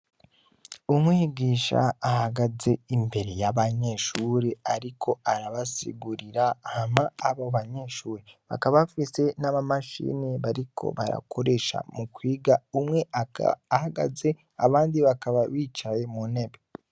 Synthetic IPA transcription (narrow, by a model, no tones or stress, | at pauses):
umwiːɡiːʃa̰ahaɡaze̞imbe̞ɾe̞jaβaɲe̞ʃuɾeaɾikʰo̞aɾaβasḭɡuɾiɾahamaːβaβaɲe̞ʃuːɾeβa̰kaβaβfise̞naβamaʃḭːniβaɾikʰo̞̰βa̰ɾa̰kʰo̞ɾe̞ʃa̰mukwiːɡaumŋe̞ahaɡa̰ze | a̰βaːndiβakaβaβiːt͡ʃaje̞munebe